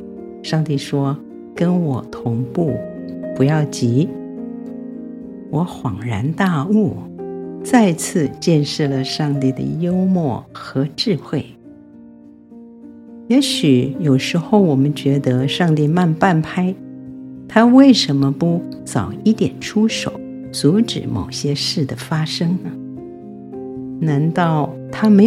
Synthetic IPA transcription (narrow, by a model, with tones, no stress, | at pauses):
ʂɑ˥˧ŋt̪i˥˩ʂwɔ˥ | kə˥nwɔ˨˩t̪ʰʊ˧˥ŋpu˥˩pu˧˥jɑ˥˩ʊt͡ɕi˧˥ | wɔ˧˥xwɑ˨˩ŋɻa˧˥nt̪a˥˧u˥˩ | t͡sa˥˧ɪt͡sʰɹ̩˥˧t͡ɕjɛ˥˧nʂɻ̩˥˩lə˩ʂɑ˥˧ŋt̪i˥˩d̪ə̰˩jo˥ʊmwɔ˥˩xɤ˧˥ʈ͡ʂɻ̩˥˧xwe˥˩ɪ | jɛ˧˥ɕy˨˩˦jo˨˩ʊʂɻ̩˧˥xo˥˩ʊwɔ˨˩mə˦nt͡ɕɥɛ˧˥d̪ə˧˦ʂɑ˥˧ŋt̪i˥˧ma˥˧npa˥˩npʰa˥ɪt̪ʰa˥we˥˩ɪʂə˧˥nmə˧pu˥˩t͡sɑ˨˩ʊi˥˩t̪jɛ̰˨˩nʈ͡ʂʰu˥ʂo˨˦ʊ | t͡su˧˥ʈ͡ʂɻ̩˨˩mo̰˨˩ʊɕjɛ˥ʂɻ̩˥˩d̪ə˩fa˥ʂɤ˥ŋnə˨ | na˧˥nt̪ɑ˥˩ʊt̪ʰa˥me˧˥